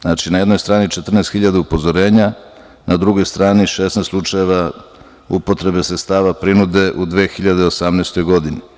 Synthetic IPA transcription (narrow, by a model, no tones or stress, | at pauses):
znat͡ʃinajed̪no̞jst̪ɾaːnit͡ʃet̪r̩nest̪xiʎad̪aupo̞zoɾe̞ːɲa | nʔad̪ɾuɡo̞jst̪ɾaːniʃesnest̪slˠut͡ʂajeʋa | upo̞t̪ɾe̞besɾet̪st̪aːʋapɾinud̪e̞ʔud̪ʋeːxiʎad̪eosamnest̪o̞jɡo̞d̪ini